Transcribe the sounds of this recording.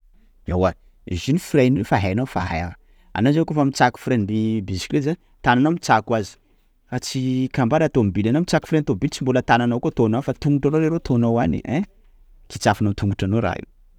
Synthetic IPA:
awa | ḭzinifiɾajnifaɦajanafaɦa̰ja | a̰nazakofamit͡saku̥fɾend̪ibizi̥klezan | t̪ananawmit͡sakwazi̥ | fat͡sikambaɾat̪ombilanamit͡saku̥fɾejnit̪obilt͡simbolət̪ananawkot̪onawfat̪uŋɡuʈ͡ʂanoɾeɾot̪ʰonawanḭʔɛ̃ | kit͡safinat̪ʰuŋɡuʈ͡ʂanoɾa̰ɦḭw

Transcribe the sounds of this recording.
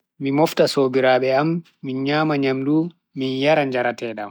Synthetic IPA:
mimɔftasoːbiɾaːɓɛamː | inɲaːmaɲamdu | minjaɾaɲd͡ʒaɾatɛɗam

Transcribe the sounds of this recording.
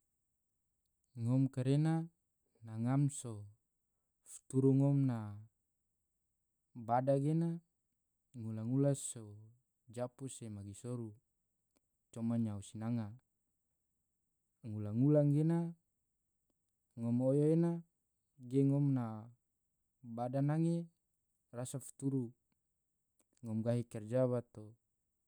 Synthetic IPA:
ŋɔmkaɾena | naŋamso | fu̥t̪uɾuŋɔmna | badaɡena | ŋulaŋulaso | d͡ʒapusemaɡisoɾu | t͡ʃɔmaɲausinaŋa | ŋulaŋulaŋɡena | ŋɔmojoena | ɡeŋɔmna | badanaŋe | rasafi̥t̪uɾu | ŋɔmɡaɦikɛrd͡ʒaβat̪o

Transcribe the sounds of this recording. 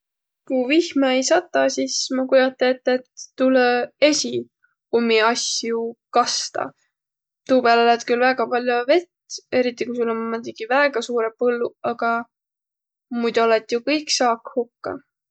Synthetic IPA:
kuvihmɑejsɑt̪ːˑɑsismɑkujɑt̪ːˑeet̪ːˑet̪ːulee̞sʲi | umːiɑsʲjukɑst̪ɑ̰ | t̪uːpeæːlolet̪kylvæɡ̥ɑpɑlʲjove̞t̪e̞ɾit̪ːˑikusulːommumod̪iɡ̥ivæeɡ̥ɑsuːɾepɤlːuɑɡ̥ɑ | mujd̪uolet̪ˑjukɤjksɑːkhukːɑ̰

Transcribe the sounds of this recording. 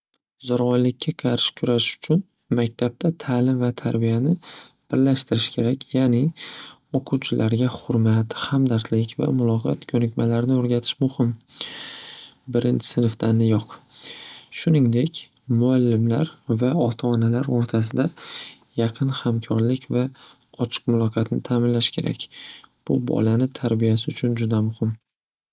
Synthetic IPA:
zɒɾʁɒjlɪkʲʰːaqʰɑɾʃɪ̥kʰʊɾaʃʊ̥t͡ʃʰʊn | mak̚ʲt̪ʰab̚t̪ʰat̪ʰalɪmvat̪ʰa̰ɾbijanɪ | b̥ɪɾlaʃt̪ɪɾɪʃkʲʰe̞ɾakʲʰjanɪ | oqʰuwt͡ʃʰɪlʔaɾɡʲaχʊɾmat̪hamd̪aɾt̪lɪkʲva̰mʊlˠɒqʰɒ̰t̪kʲʰɵnɪkʲmalaɾnɪoɾɡʲat̪ʰɪ̥ʃmʊhɪm | bɪɾʔɪnt͡ʃʰɪ̥sɪnɪft̪ʰanːɪjoq | ʃʊnɪŋd̪e̞kʲ | mʊalːɪmla̰ɾvaɒt̪ʰaːnalaɾoɾt̪ʰas̬ɪd̪a | jɑqʰɨnhamkʰɒɾlɪkʲva | ɒt͡ʃʰɨ̥qmʊlˠɒqʰɑt̪nɪt̪ʰaːmɪnlaʃkʲʰe̞ɾʔa̰kʲb̥ʊbɒ̰lanɪt̪ʰaɾbijas̬ɪʊt͡ʃʰʊnd͡ʒʊd̪amʊhɪm

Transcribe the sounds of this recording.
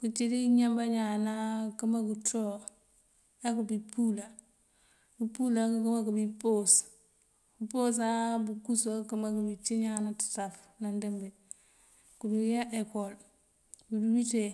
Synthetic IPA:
kut͡ʃidiɲambaɲanakəmakuto | ekubipula | bupulakkumakubipos | kupos̬abukusakumakubit͡ʃiɲanatḁtaf | nandembe | kubijaʔekol | budubite

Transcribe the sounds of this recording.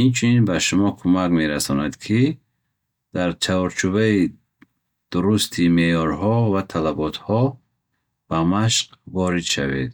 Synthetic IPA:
int͡ʃʰuninbaʃumɔkʰumakmeɾasɔnad̪kʰi | d̪̥aɾt͡ʃʰaɔɾt͡ʃʰubai | d̪̥uɾust̪ʰimejɔɾɦɔvat̪ʰalabɔt̪hɔ | b̥amaʃqvɔɾid̪ʃa̰vḛd̪

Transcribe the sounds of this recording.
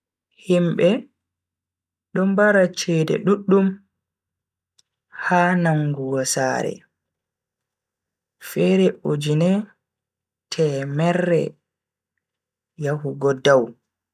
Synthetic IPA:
himbɛ | ɗɔmbaɾat͡ʃɛːdɛ̰ɗuɗːum | haːnaŋɡuwɔsa̰ɾɛ̰ | fɛɾɛod͡ʒinɛ | tʰɛmɛrːɛ̰ | jahuɡɔdaw

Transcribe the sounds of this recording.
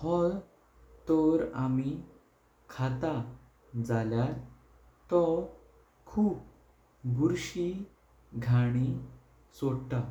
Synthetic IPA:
hɔl | t̪ɔɾami | kʰat̪a | d͡zalja | t̪ɔ | kʰuːp̚ | ɡuɾɕi | ɡʱaɽ̃i | sɔɽʈ̪a

